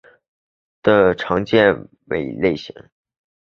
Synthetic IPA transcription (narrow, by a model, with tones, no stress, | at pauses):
d̪̥ə˨ʈ͡ʂʰɑ˧˥ŋt͡ɕjɛ˥˩n | wḛ˨˩ɪle˥˩ɪɕḭ˧˥ŋ